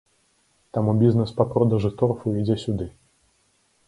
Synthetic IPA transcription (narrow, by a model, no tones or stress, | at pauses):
t̪amubʲiznɛspapɾɔd̪ɐʐɨt̪ɔrfuid͡zʲɛsʲud̪ɨ